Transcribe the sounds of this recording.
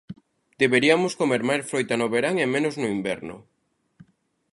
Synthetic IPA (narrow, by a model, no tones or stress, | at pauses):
d̪eβeɾiamoskomeɾmajsfɾojt̪anoβeɾaŋemẽnoznoimbɛ̰ɾnʊ̰